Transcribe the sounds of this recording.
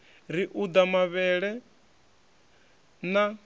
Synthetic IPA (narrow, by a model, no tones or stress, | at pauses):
ɾiʔud̪amaβɛɺɛ | na